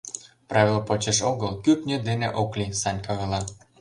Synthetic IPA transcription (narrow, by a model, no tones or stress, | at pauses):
prɑvʲelpot͡ɕeʃoɣəlkypnʲed̪enḛʔoklʲisɑnʲkɑɣɤ̆lɑ